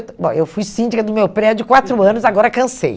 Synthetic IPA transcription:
bõewfujsĩnd͡ʒikɐd̪ʊmewpɾɛd͡ʒʊkwat̪ɾʊɐ̃nʊzaɡɔɾɐkɐ̃sḛj

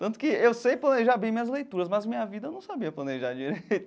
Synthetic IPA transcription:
t̪ɐ̃nt̪ʊ̥kɪewsejplɐneʒaɾbẽj̃mĩɐzlejt̪uɾɐzmɐzmĩɲɐvid̪ɐewnɐ̃w̃sabiɐplɐneʒaɾd͡ʒiɾejt̪ʊ̥

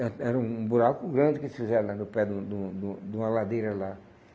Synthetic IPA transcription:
ɛ̃ɛɾɐũũbuɾakʊɡɾɐ̃d͡ʒɪkɪsɪ̥fizɛɾɐ̃lanʊpɛd̪ũd̪ũd̪ũd̪ũmɐlad̪ejɾɐla

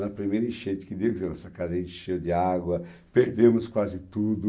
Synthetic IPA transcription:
nɐpɾimejɾɐɪ̃ʃẽt̪ɪ̥kɪd̪ewzɛnɔsɐkazɐẽt͡ʃɪ̥ʃejd̪ɪaɡwɐ | peɾd̪ẽmʊskwazɪt̪ud̪ʊ

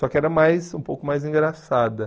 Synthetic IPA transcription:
sɔkɪɛɾɐmajsũpowkʊmajzĩɡɾasad̪ɐ

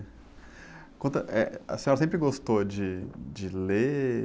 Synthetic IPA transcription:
kõnt̪ɐʔɛɐ̰sẽɔɾɐsẽpɾɪɡost̪od͡ʒɪd͡ʒɪle

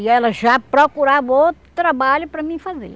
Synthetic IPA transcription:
jalɐʃapɾɐkuɾaʋot̪ɾɐbaːlpɾɐmifɐzḛ

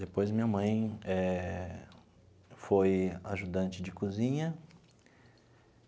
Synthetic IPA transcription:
d̪epojzmĩɲɐmɐ̃j̃ɛ | fojaʒud̪ɐ̃nt͡ʃɪd͡ʒɪkuzĩɲɐ

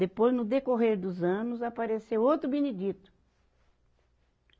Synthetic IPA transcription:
d̪epojznʊd̪ekoɦeɾd̪ʊzɐ̃nʊzapaɾesewowt̪ɾʊbened͡ʒit̪ʊ̥

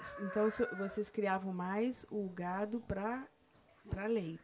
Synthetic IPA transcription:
sẽnt̪ɐ̃w̃sovoseskɾiavɐ̃w̃majzʊɡad̪ʊpɾɐ | pɾɐlej

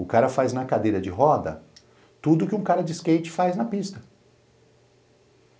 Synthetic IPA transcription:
ʊkaɾɐfajznɐkad̪ejɾɐd͡ʒɪɦɔd̪ɐ̰ | t̪ud̪ʊkɪũkaɾɐd͡ʒɪskejt͡ʃɪ̥fajznɐpist̪ɐ

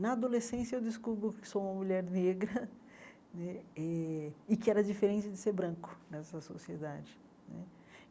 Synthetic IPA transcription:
nɐad̪olesẽsjɐewd͡ʒ̪ɪskubɾʊkɪ̥soũmɐmuʎɛɾneɡɾɐ | nɛɛɪkɪɛɾɐd͡ʒifeɾẽt͡ʃɪd͡ʒɪseɾbɾɐ̃kʊ̥nɛsɐsosied̪ad͡ʒɪ | nɛ̰

